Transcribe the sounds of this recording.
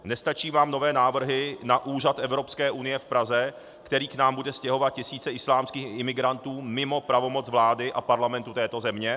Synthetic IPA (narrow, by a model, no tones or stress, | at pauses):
nɛst̪at͡ʃiːvaːmno̞vɛːnaːvr̩ɦɪnaʔuːʒat̪ʔɛvɾo̞pskɛːʔunɪjɛfpɾazɛ | kt̪ɛɾiːknaːmbudɛscɛɦo̞vat̪̚cɪsiːt͡sɛʔɪslaːmskiːxɪmɪɡɾant̪uːmɪmo̞pɾavo̞mo̞t͡svlaːdɪʔapaɾlamɛnt̪ut̪ɛːt̪o̞zɛmɲɛ